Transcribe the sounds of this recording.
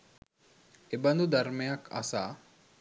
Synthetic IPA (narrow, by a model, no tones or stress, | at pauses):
eband̪ud̪ʱaɾmejakʰa̰saː